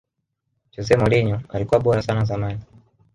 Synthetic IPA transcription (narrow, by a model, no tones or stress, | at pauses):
d͡ʒɔzɛmɔliɲɔalikuwaɓɔɾasanazamani